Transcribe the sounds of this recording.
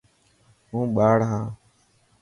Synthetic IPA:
ɦũːɓaːɽɦãː

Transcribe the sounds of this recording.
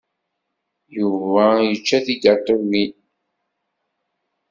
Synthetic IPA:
juvæjət͡ʃːæθiɡət̪ˤoni

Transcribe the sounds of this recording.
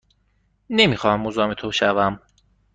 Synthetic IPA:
nemixɒːhæmːozɒːmet̪ʰoʃævæm

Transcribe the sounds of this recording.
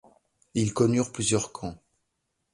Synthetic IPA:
ilkɔnyʁplyzjœʁkʰɑ̃

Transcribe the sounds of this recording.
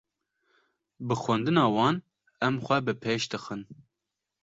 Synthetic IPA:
bɨxʷɛnd̪ɨnɑːwɑːn | ɛmxʷɛbɨpʰeːʃd̪ɨxɨn

